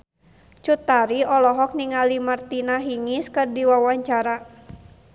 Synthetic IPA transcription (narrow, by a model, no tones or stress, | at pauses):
t͡ʃut̪aɾiɔlɔɦɔk̚niŋalimart̪inaɦiŋiskərdiwawaɲt͡ʃaɾa